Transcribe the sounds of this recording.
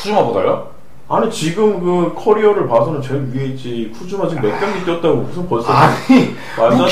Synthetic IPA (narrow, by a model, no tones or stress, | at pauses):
kʰud͡ʑumaboda̰k͈a | anit͡ɕiɡɯmkɯkʰʌɾiʌɾɯɭpasʰʌnɯnt͡ɕenɥiɦeit̚t͡ɕ͈ipʰud͡ʑumat͡ɕiɡɯme̞k̚p͈ʌŋɡit͈jʌt̚t͈aɡomusʰɯnpʌɭs͈ei | mad͡ʑa